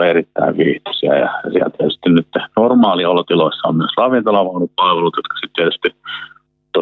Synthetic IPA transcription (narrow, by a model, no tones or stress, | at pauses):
erit̪ːæ̰iʋʋiːht̪ɑ̥siæ̰jɑ̰jsiæ̰lt̪iet̪yst̪innyt̪ːenormɑːliɑolːot̪iloisːɑo̰mmyøsrɑʋint̪ɑlɑʋɑunuppɑlʋelut̪jot̪kɑ̥sit̪t̪iet̪y̥st̪i | t̪o